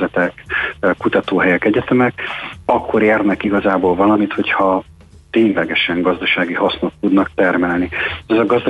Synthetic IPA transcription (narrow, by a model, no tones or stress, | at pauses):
ɛt̪ɛkkːut̪ɒt̪oːɦɛjɛkɛɟɛt̪ɛmɛkɒkːo̞ɾeːrnɛkiɡɒzaːboːlvɒlɒmit̪ho̞chɒ | t̪eːɲlɛɡɛʃɛŋɡɒzd̪ɒʃaːɡihɒsno̞t̪ːud̪nɒk̚t̪ɛrmɛlniɛzɒɡɒzd̪